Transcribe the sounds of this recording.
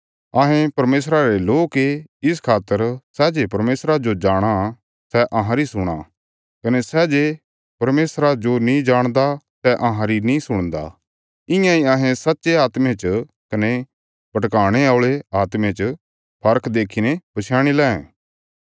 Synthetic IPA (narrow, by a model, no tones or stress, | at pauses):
ɐɦẽpɐɾmeːs̬ɾaɾeloːkeɪs̬kʰaːt̪ːəɾsɛd͡ʒepɐɾmeːsɾad͡ʒod͡ʒaːɽ̃a | sɛʔɐɦãɾisʊɽ̃a̰ | kɐnesɛd͡ʒe | pɐɾmeːsɾad͡ʒonĩd͡ʒaːɽ̃d̪a | sɛʔɐ̃ɦãɾinĩsʊɽ̃d̪a̰ | ɪ̃jãiaɦẽsɐtːʃeaːt̪mẽt͡ʃ | kɐne | pɐʈkaːɽ̃eaɭeaːt̪mẽt͡ʃ | pʰɐɾkʰd̪eːkʰinepɐt͡ʃʰjaːɽ̃ilɛ̃ːɛ̃